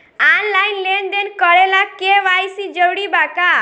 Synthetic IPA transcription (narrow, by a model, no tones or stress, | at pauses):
anlajnlend̪enkɔɾelakeʋajsid͡ʒəwɽibaka